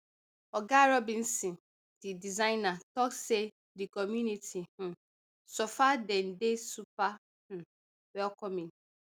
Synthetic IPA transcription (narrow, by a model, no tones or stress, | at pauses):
ɔɡaɾɔbĩn̩sĩ | didizaɪnatɔkse | dikɔmjunitʰih̩ | sofadɛn̩desupa | h̩ | wɛlkɔmĩn